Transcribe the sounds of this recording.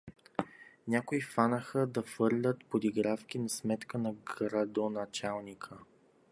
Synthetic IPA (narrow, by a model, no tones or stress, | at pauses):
nʲakoifanəxəd̪ɐfɤɾlʲət̪pod̪iɡɾafkʲinɐsmɛt̪kənɐɡɾɐd̪onɐt͡ʃalˠnikʰə